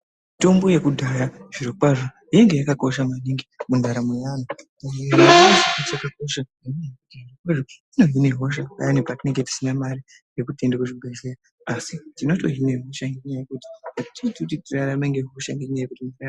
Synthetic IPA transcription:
ito̞mbo̞je̞kudʱajaʐ̥irokaʐo | ije̞ŋɡe̞jakako̞ʃamwaniŋɡimundʱaɾamejanotanenaosakatiakako̞ʃa | ineakutiakweʐoino̞ɦine̞ɦo̞ʃaka̰janipatine̞ŋɡe̞ti̥sinamaɾi | jekute̞ndekuʐiɡʱezera | asitinoto̞ɦine̞ɦo̞ʃaŋɡeuɲajekuti̥atitititiraraɓeŋɡeɦo̞ʃaiŋɡekiɲaekutimaria

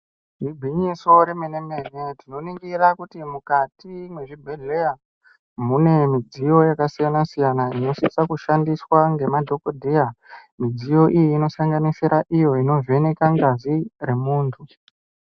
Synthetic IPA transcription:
ribʱiɲiso̞ɾemeneme̞netino̞niŋɡiɾakutimukatimwe̞ʐibʱeɮeja | mune̞mid͡zijo̞jakasijanasijanaino̞sisakuʃandiswaŋɡe̞madʱo̞kodʱejamid͡zijo̞ʔijiːno̞saŋɡanisiɾaʔijo̞ino̞ve̞ne̞kaŋɡazire̞muːntʰu

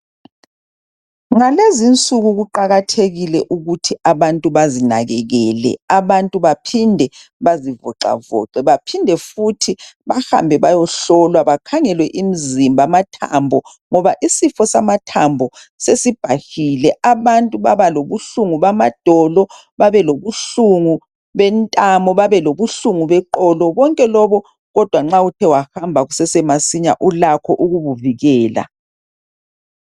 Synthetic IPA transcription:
ŋalezint͡sʼuɣuɣuǃaɣatʰeɣilɛʔuɣutʰiaβantʼuβazinaɣɛɣɛːlɛ̰aβantʼuβapʰindʱɛβazivɔǁa̰vɔ̰ǁɛβapʰindʱɛfutʰiβaha̰mbʱɛβajɔɬɔlwaβakʰaŋɛlwɛʔimizimbʱamatʰa̰mbʱɔ | ŋɔβaʔisifɔsamatʰambʱɔ | sesib̥ʱahilɛʔaβantʼuβa̰βaloβuɬuŋuβamad̥ʱɔlɔ | βaβɛloβuɬuŋu | βɛntʼamɔβaβɛloβuɬuŋuβɛǃɔlɔβɔŋkʼɛlɔβɔ | ɣɔd̥ʱwaŋ͡ǁautʰɛwaxambʱaɣusɛsɛmasiɲa̰ʔulakʰɔʔuɣuβuviɣɛːla̰

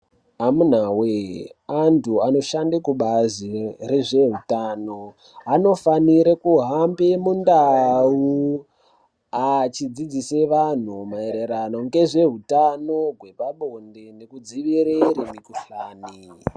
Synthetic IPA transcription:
amun̤aweantʰuano̞ʃandakuɓazireʐe̞ɦutaːno̞ | ano̞faniɾekuɦambemundau | at͡ʃid͡zid͡zise̞ʋan̤umaeɾeɾano̞ŋɡe̞ʐe̞ɦutano̞ɡʱwe̞paɓondenekud͡ziʋiɾeɾimikuɬaːni

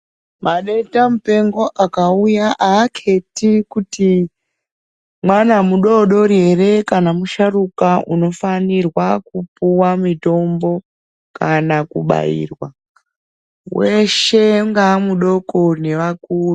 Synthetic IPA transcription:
maɗeitamupe̞ŋɡo̞ʔakaujaʔaːkʰe̞tikuti | mwanamuɗo̞ɗo̞ɾe̞re̞kanamuʃarukaʔṵno̞fanirwakupuwamito̞mbo̞ | kanakuɓa̰ḭːrwa | we̞ʃe̞ŋɡamuɗo̞kone̞ʋakuːru

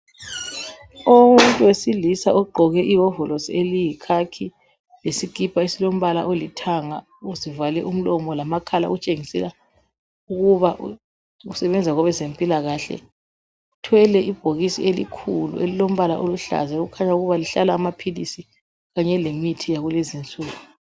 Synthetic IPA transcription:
omuntʼuwesilisa̰ʔɔɡ͡ǃʱɔɣɛʔiɦɔvɔlosielijikʰakʰi | lesiɡ̥ʱipʰʼaesilom̩βalaʔolitʰaŋa | uzivalɛʔum̩lɔmɔlamakʰala̰ɣut͡ʃʼeŋisɛ̰la | uɣuβaʔ | usɛβɛnd͡zʱaɣɔβɛzempʼilaɣaːɬɛ̰ | utʰwɛlɛʔib̥ʱoɣisḭelḭkʰulṵʔelilom̩βalaʔoluɬa̰zɛɣukʰaɲauɣuβaliɬalaːmapʰilḭsi | ɣaɲɛlemitʰijaɣulezint͡sʼuːɣu

